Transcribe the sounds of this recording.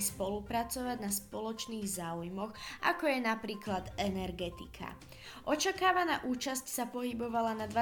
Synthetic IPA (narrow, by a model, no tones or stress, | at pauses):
spɔlupɾat͡sɔʋaɟnaspɔlɔt͡ʃniːɣzaːujmɔɣʔa̰kɔjɛnapɾiːklad̪ɛnɛɾɡɛt̪ikʰa̰ | ʔɔt͡ʃakaːʋanaːʔuːt͡ʃascsapɔɦibɔʋalanad̪ʋa